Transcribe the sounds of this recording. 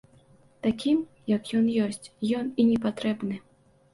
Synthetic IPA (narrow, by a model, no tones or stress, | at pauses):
t̪akʲim | jɐkjɔnjɔsʲt͡sʲjɔninʲɛpat̪ɾɛbnɨ